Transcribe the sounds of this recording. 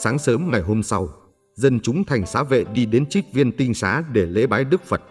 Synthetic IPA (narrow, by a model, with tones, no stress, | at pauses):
saː˨˦ŋsəː˨˦mŋa˨˩jɦo˧msa˧w | zə˧nt͡ɕʊ˨˦ŋ͡mt̪ʰa˨˩jŋ̟saː˨˦vḛ˧˨ɗi˧ɗe˨˦nt͡ɕi˦˥k̚vi˧ənt̪ï˧ŋ̟sa̰ː˨˦ɗe˧˩lḛ˧˥ɓaː˨˦jɗɨ˦˥k̚fə˨˩t̚